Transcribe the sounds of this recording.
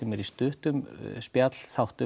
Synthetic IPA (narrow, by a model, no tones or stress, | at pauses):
ɛmɛɾist̪ʏht̪ʏmspjat̪l̥θawht̪ʏ